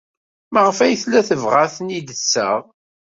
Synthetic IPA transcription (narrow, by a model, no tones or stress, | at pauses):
məʁəfæjθlːæθəvʁaθənid̪əsːə̰ʁ